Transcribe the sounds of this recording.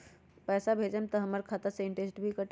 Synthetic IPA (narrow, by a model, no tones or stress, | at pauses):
pɛːsabʱed͡ʒemt̪ɔɦəməɾkʰat̪əɾseɪ̃ɳʈesʈbʱikəʈ